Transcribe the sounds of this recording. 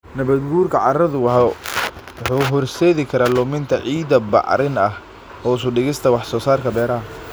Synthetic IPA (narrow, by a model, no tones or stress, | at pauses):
nɐβɐd̪ɡuːrkʰɐʕɑɾɐðʊwɑɦɔ | wɑħuːɦɔrsɛːðɪkʰɐɾaːlʊmɪnt̪ʰɐʕiːd̪ɐbɑ̰ʕɾɪnɐh | ɔːʊs̬ʊɖɪɣɪst̪ʰɐwɑħsɔːsaːrkʰɐbɛːɾɐɦɐ